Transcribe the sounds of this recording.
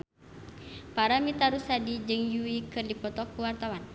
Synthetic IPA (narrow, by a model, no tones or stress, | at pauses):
paɾamit̪aɾusadid͡ʒɨŋjuikɨrdipɔt̪ɔkːuwart̪awan